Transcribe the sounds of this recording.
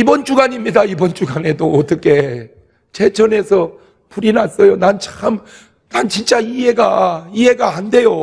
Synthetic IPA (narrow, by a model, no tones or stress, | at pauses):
ibʌnt͡ɕ͈uɡaɲimɲidaibʌnt͡ɕ͈uɡane̞doːt͈ʌkʰe̞ | t͡ɕe̞t͡ɕʌne̞sʰʌ | puɾinas͈ʌjonant͡ɕʰam | nant͡ɕint͡ɕ͈aiɦe̞ɡaiɦe̞ɡaande̞jo